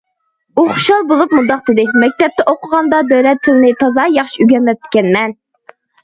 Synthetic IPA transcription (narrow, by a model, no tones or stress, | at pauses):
uχʊ̥ʃɑlˠbolˠupmund̪ɑq̚t̪ʰɨd̪ɪmɛk̚ʲt̪ʰɛp̚t̪ɛʔoqʰəʁɑnd̪ɑd̪øwlɛt̪ʰːɪlɪnɪt̪ʰɑzɑjɑχʃiyɡʲɛnmɛp̚t̪ʰːɪ̥kʲɛnmɛn